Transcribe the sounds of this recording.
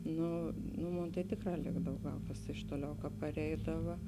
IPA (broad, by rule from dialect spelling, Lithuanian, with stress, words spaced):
ˈnʊ nʊ ˈmoːn tɐɪ ˈtʲeːkˌrɑː ˈlʲeːɡdɐw ˈɡɐlˠ kɐs ɪʃ ˈtoːˌlʲɛʊ kɐ pɐˈrʲɛɪdɐʋɐ